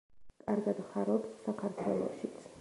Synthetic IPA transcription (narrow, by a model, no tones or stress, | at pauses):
kʼaɾɡad̪χaɾɔpsːakʰaɾt̪ʰwɛlˠɔ̰ʃit̪sʰ